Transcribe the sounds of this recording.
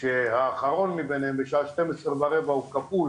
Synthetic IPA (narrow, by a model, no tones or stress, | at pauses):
ʃehaːχaʁo̞nmibenhembeʃaaʃte̞mesʁebaɾevaukaful